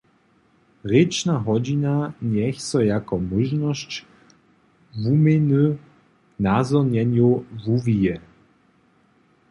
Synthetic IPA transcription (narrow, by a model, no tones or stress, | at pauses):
ɾɪt͡ʃnaɦɔd͡ʑinaɲɛxsɔjakɔmuʒnɔɕt͡ɕ | vumɪnu | nazɔɲɛɲuvuvijɛ